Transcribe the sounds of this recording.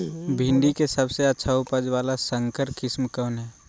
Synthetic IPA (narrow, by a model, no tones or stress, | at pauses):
bʱɪ̃nɖ̪ikesəbseɐtːʃʰaʊpəd͡ʒʋaːlasə̃ŋkəɾkɪsmkɔːnɦɛː